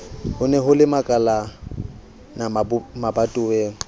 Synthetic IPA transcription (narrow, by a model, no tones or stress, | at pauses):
hʊnɛɦʊlɪmakʼala | namabatʼʊweːŋ̩